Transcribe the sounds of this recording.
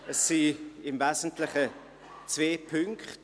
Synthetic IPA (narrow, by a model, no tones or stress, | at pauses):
əsːiɪmvɛzn̩tlɪχə | t͡sveːpʰʏŋkχt